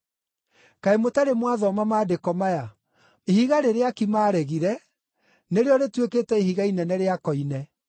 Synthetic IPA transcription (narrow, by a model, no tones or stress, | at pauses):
kaemotaɾemwaðɔmamaːdekɔmaja | ihiɣaɾeɾeakimaːɾɛɣiɾɛ | neɾeɔɾetweketɛiɦiɣainɛnɛɾeakɔinɛ